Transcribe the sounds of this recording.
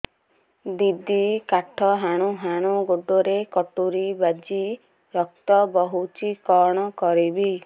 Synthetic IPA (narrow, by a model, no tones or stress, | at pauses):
d̪id̪ikaʈʰɔɦaɽ̃uɦaɽ̃uɡoɖːoɾekɔʈuɾibad͡ʒi | ɾɔk̚t̪ɔbɔɦut͡ʃikɔɽ̃ɔkɔɾibi